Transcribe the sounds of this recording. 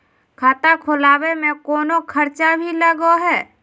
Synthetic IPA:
kʰaːt̪akʰolaːwemẽkoːnokʰəɾt͡ʃabʱiləɡoɦɛː

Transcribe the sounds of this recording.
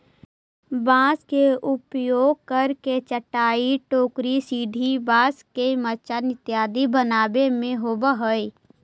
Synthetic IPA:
bãːskeʔʊpjoːɡ̚kəɾket͡ʃəʈaːiʈoːkɾisiːɖʱibaːskemət͡ʃanɪt̪jaːd̪ibənaːbemẽɦobəɦəi

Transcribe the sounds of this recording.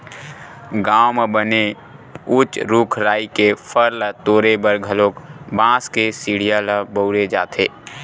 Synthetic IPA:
ɡaːwmebəne | ʊt͡ʃɾukʰɾaːikepʰəɾlət̪oːɾebəɾɡʱəloːkbãːskesiːɽijaləbəʊɾed͡ʒaːt̪ʰeː

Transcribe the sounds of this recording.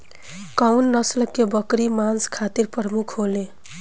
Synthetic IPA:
kawnlʌsləkːebʌkɾimanskʰat̪iɾpɾʌmukʰɦole

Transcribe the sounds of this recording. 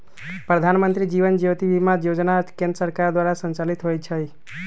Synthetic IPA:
pɾəd̪ʱanmənt̪ɾid͡ʒiʋənd͡ʒet̪ibimãjod͡ʒnakẽnd̪əsəɾkaɾd̪waɾasə̃nt͡ʃalit̪ɦojt͡ʃʰəj

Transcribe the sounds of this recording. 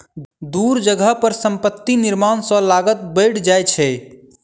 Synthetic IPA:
d̪uɾd͡ʒəɡʱəɦpəɾsəmpət̪ːiniɾmansə̃laɡət̪̚bəjɽd͡ʒajt͡ʃʰɛ

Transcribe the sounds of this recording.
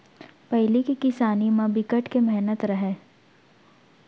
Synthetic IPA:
pɛɦlikikɪsaːnimãbɪkəʈkemɛɦnət̪ɾɐɦeː

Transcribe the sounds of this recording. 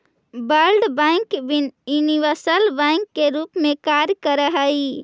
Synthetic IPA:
bəɾɖbə̃ŋkbininiʋəsəlbɛ̃ɪŋkːeɾupmẽkaɾjkəɾəɦəi

